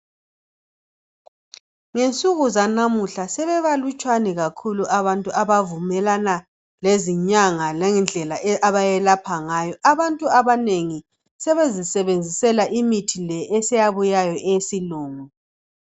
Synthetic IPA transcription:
ŋent͡sʼuɣuzanamuɬasɛβɛβalut͡ʃʼwanɛɣakʰuluʔaβantʼuaβavumɛlana | leziɲaŋalɛnd͡ɮʱɛlaɛaβajɛlapʰaŋajɔʔaβantʼuaβaneŋi | sɛβezisɛβend͡zʱisɛlaʔimitʰilɛːsɛjaβujajɔʔesiluːŋu

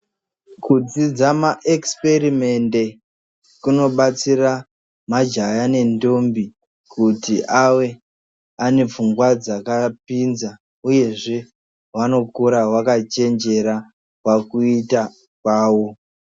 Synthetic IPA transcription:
kud͡zid͡zamaʔekspe̞rime̞nde̞ | kuno̞ɓat͡sira | mad͡ʒajane̞ndo̞mbi | kutiʔawe̞ | ane̞p͡fuŋɡwad͡zakapinza | uje̞ʐe̞ | wano̞kuɾawakat͡ʃe̞nd͡ʒe̞ɾa | wakuita | kwaːwo̞

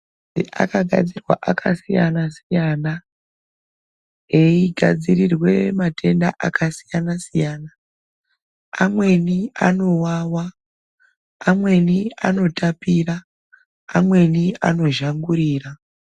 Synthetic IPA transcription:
ḭʔa̰kaɡʱa̰d͡zirwa̰ʔakʰasijanasijaːna | eiɡʱad͡zirirwe̞matʰe̞ndaʔakʰasijanasijaːna | amwe̞nia̰no̞waːwa | mwe̞nia̰no̞tʰapiraː | mwe̞nia̰no̞ʒaŋɡuɾiːra

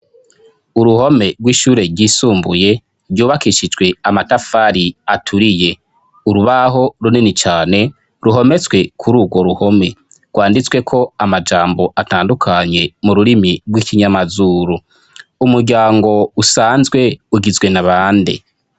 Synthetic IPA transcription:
uɾuho̞me̞ɡwiːʃuːɾe̞ɾɟiːsuːmbuje̞ | ɾɟuːβakiʃid͡ʒɡwe̞amatafaɾiatʰuɾije̞ | uɾuβaɦo̞ɾuninit͡ʃaːne̞ | ɾuɦo̞me̞t͡sɡwe̞kʰuɾuːɡwo̞ɾuho̞me̞ | ɡwaːndit͡swe̞kʰo̞amad͡ʒaːmbo̞ʔataːndukʰaɲe̞muɾuɾimiɡwikʰiɲamazuːɾu | umuɾɡɟaːŋɡo̞usaːnzɡwe̞uɡizɡwe̞naβaːndḛ

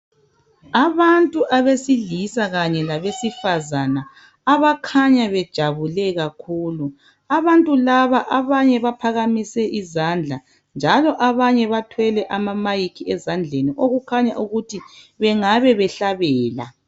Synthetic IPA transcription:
aβantʼuʔaβesiɮisaɣaɲɛlaβesifazanaː | βakʰaɲaβɛd̥ʒ̥ʱaβulɛɣakʰuːlu | aβantʼulaβaʔaβaɲɛβapʰaɣamisɛʔizand͡ɮʱa | nd͡ʒʱalɔʔaβaɲɛβatʰwɛlɛʔamamajikʰiɛzand͡ɮʱeniʔoɣukʰaɲaʔuɣutʰi | βɛŋaβɛβɛɬaβɛːla̰

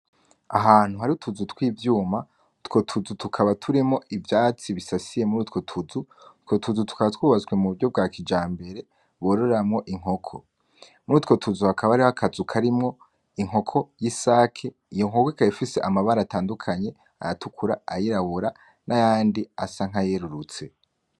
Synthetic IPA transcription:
aɦaːn̥huɦaɾiutʰuzutwiːvjuːma | tko̞tʰuzutukʰaβatʰuɾemŋo̞ʔivjaːt͡siβisasije̞muɾuːtko̞tʰuzutko̞tʰuzutu̥kaβatwuːβazɡwe̞muβuɾɟo̞b̚ɡaːkʰid͡ʒaːmbe̞ɾe̞ | βoɾoɾamŋo̞ʔiŋ̥ho̞kʰo̞̰ | muɾuːtko̞tʰuzuhakaβaɾiβakʰazukʰaɾimŋo̞ | iŋɦo̞kʰo̞jisaːkʰe | ijo̞ŋɦo̞koikaifise̞ʔamaβaɾataːndukʰaɲe̞ | a̰jatukʰuɾa̰ajiɾaβuɾa | nʔajaːndiasaŋ̥ɦaje̞ɾuɾut͡se̞

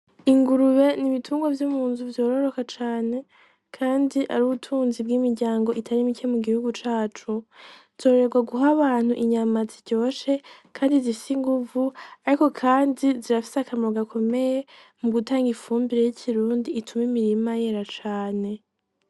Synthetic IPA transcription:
iŋɡuɾuβe̞niβitʰuːŋɡwavjumuːnzuvjo̞ːɾo̞ɾo̞kat͡ʃaːne̞ | kʰaːndiʔaɾuːβutʰuːnzib̚ɡimiɾɟaːŋɡo̞ʔitʰaɾimicemuɡihuɡut͡ʃaːt͡ʃu | z̥o̞ːɾɾe̞ɡwaɡuɦaβaːn̥uʔiɲamaziɟo̞ːʃe̞kʰaːndizifisiŋɡuvuaɾiko̞kʰaːndiziɾafi̥seakʰamoɡakʰo̞me̞je̞ | muɡutaːŋɡifuːmbiɾe̞jicʰiɾuːnditʰumimiɾimaje̞ɾat͡ʃaːne̞

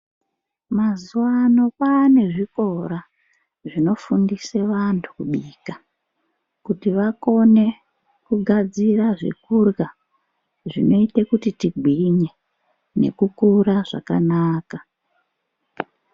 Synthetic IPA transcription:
mazuwano̞pane̞ʐiko̞ɾa | ʐino̞fundise̞ʋantʰu̥kuɓiːka | kutiʋako̞ne̞ | kuɡʱad͡ziraʐḭkurɣa | ʐḭno̞itekutitiɡʱwiɲe̞ | ne̞̰kukuraʐa̰kanaːka

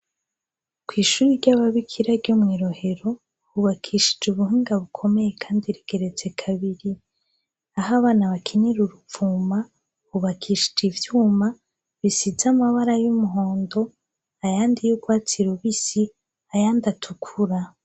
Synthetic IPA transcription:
kwiːʃuːɾiɾɟaβaβikʰiɾaɾɟomŋiːɾo̞he̞ɾo̞ | βuβakʰiːʃi̥d͡ʒuβuɦiːŋɡaβukʰo̞me̞je̞kʰaːndiɾiɡ̥e̞ɾe̞d͡ze̞kʰaβiɾi | aɦaβaːnaβakʰiɲiɾuɾuvuːma | βuβakʰiːʃi̥d͡ʒivjuːma | βisizamaβaɾajumuɦo̞ːndo̞ | ajaːndijuɡwaːt͡siɾuβisi | ajaːndatʰukʰuɾa

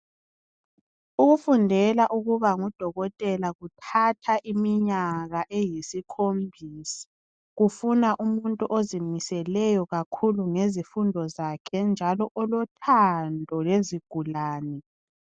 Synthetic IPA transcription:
uɣufundʱɛlaʔuɣuβaŋud̥ʱɔɣɔtʼɛlaɣutʰatʰaʔimiɲaɣaʔɛjisikʰombʱiːsḁ | ɣufunaʔumuntʼuʔozimisɛlɛjɔɣakʰuluŋezifundʱɔzakʰɛnd͡ʒʱalɔʔɔlɔtʰandʱɔleziɡ̥ʱulaːnɛ

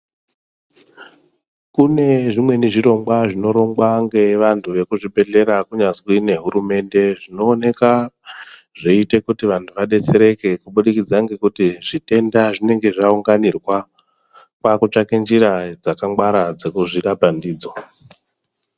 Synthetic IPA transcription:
kune̞ʐimwe̞niʐiɾo̞ŋɡwaʐino̞ɾo̞ŋɡwaŋɡe̞ʋantʰuʋe̞kuʐibʱe̞ɮe̞ɾakuɲazwine̞ɦuɾume̞nde̞ʐino̞ːne̞ka | ʐeite̞kutiʋantʰuʋaɗe̞t͡se̞ɾe̞ke̞kuɓuɗikid͡zaŋɡe̞kutiʐite̞ndaʐine̞ŋɡe̞ʐauŋɡanirwa | kwakut͡ʂakend͡ʒiɾad͡zakaŋɡwaɾad͡zekuʐiɾabandiːd͡zo

